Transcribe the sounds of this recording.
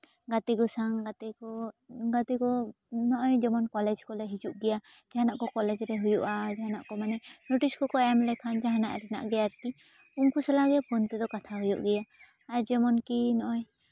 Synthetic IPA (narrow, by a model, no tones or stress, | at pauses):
ɡat̪ɛɡɔsaŋɡat̪ɛkɔɡat̪ɛkɔ | nɔʔɔjd͡ʒɛmɔnkɔlɛd͡ʒkɔlɛɦid͡ʒuʔɡɛjad͡ʒaɦanaʔkɔkɔlɛd͡ʒɾɛɦujuʔad͡ʒaɦana̰ʔkɔmanɛnoʈiskɔkɔjamlɛkʰand͡ʒaɦana̰ʔɾɛna̰ʔɡɛaɾki | uŋkusɛlaɡɛpʰɔnt̪ɛd̪ɔkat̪ʰaɦujɔ̰ʔɡɛjaː | ɾd͡ʒɛmɔnkinɔʔɔj